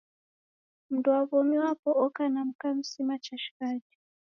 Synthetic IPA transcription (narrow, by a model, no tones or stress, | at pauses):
m̩dwaβɔmiwapɔɔkanam̩kam̩simat͡ʃaʃi̥kad͡ʒɔ